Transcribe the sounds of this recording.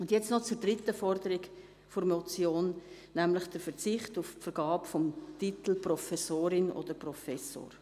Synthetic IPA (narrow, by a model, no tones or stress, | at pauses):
ʊndjɛt͡snɔt͡suɾd̥ɾɪtəfɔrdəɾɪɡ | fʊɾmɔt͡sjoːn | næmlɪχd̥əɾfəɾt͡sɪχtuffəɾɡ̥ɑːpfɔmtit̪l̩prɔfɛsoːɾɪnʔo̰d̥əɾprɔfɛso̰ːɾ